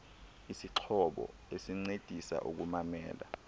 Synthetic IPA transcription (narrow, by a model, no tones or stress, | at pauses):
isiǁʰɔɓɔ̰esiŋ͡ǀed̥ʱisa̰ʔṵk̬umamɛ̰ːla̰